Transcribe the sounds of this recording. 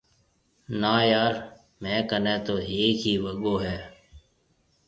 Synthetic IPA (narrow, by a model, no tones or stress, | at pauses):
naːjaːɾ | mɛ̃ːkənẽːt̪oːɦeːkɦiːʋəɠoːɦɛː